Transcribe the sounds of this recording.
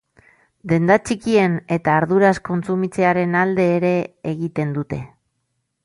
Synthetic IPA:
d̪e̞nd̪at͡ʃikie̞ne̞t̪aːɾðuɾasko̞nt͡sumit͡se̞aɾe̞nald̪e̞ːɾe̞ːɣit̪e̞nd̪ut̪e̞

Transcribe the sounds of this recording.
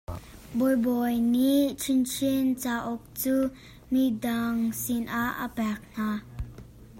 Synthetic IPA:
bɔjbɔjnit͡ʃʰint͡ʃʰint͡saːʔɔk̚t͡suː | midaŋsinʔaʔə̰pɛk̚n̥aː

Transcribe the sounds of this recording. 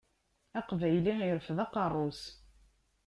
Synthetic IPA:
æqvæjlijəɾfðɑqɑrˤːos

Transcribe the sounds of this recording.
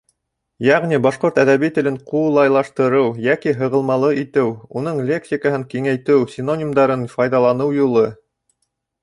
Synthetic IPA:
jæʁnibɑʃqoɾt̪æðæβit̪ɘ̆lɘɴqulˠɑjlˠɑʃt̪ɤ̆ɾɤwjækiɦɤ̆ʁɤ̆lˠmɑlˠɤʔit̪ɘwunɤɴlʲeksʲikəɦɤŋkiŋæjt̪ɘwsʲɪnonʲimd̪ɑɾɤnfɑjðɑlˠɑnɤwjulˠɤ

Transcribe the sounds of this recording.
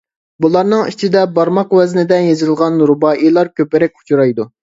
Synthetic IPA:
bulˠɑɾnɨŋit͡ʃʰid̪ɛbɑɾmɑqwɛznɪd̪ɛnjezɨlˠʁɑnɾubɑːʔilˠɑɾkʲʰøpɪɾɛk̚ʲu̥t͡ʃʰuɾɑjd̪u

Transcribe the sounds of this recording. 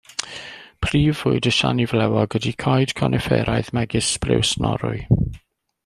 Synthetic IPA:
pʰriːvːʊɨdəʃanivlɛwɔɡədikʰɔjd̥kʰɔnʔɛfɛ̰ɾajðmɛɡɪsbrɪ̰wsnɔ̰ɾʊɨ

